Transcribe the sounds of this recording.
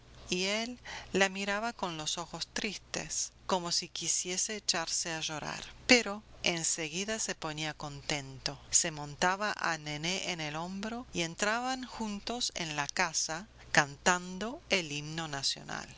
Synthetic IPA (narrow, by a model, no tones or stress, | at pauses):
ielːamiɾaβako̞nlo̞so̞xo̞st̪ɾist̪e̞̰sko̞mo̞sikisje̞set͡ʃaɾseaʒo̞ɾa̰ɾpeɾo̞enseɣiðasepo̞niako̞nt̪e̞nt̪ose̞mõ̞nt̪aβaʔa̰neneʔenelo̞mbɾo̞ie̞nt̪ɾaβaŋxunt̪o̞sḛnlakasa | kant̪and̪o̞elimno̞nasjo̞̰na̰l